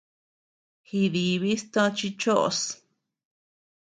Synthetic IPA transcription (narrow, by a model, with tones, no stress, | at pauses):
hi˧ði˨βi˦st̪õ˧˦t͡ʃi˧t͡ʃo˦ʔo̰˨˧s